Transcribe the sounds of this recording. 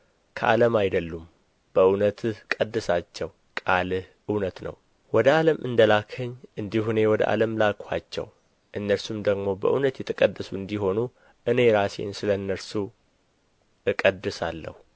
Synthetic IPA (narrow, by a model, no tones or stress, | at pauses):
kʰəʔa̰ləmajd̪əlːum | b̥əɨwnət̪kʼəd̪ːɨsat͡ʃːɛw | kʼalʔɨwnət̪nə̰w | wɔd̪əʔaləmʔɨnd̪əlakʰəɲːʔɨnd̪ihune̞wɔd̪ə̰ʔa̰ləmlakʼʰat͡ʃːɛ̰w | ʔɨnːəɾsumd̪əɡmo̞bə̰ʔunət̪jɛt̪ʰəkʼəd̪ːəsuɨnd̪iɦo̞nu | ʔɨne̞ɾase̞̰nsɨləɨnːəɾsu | ɨkʼəd̪ːɨsalːə̰hu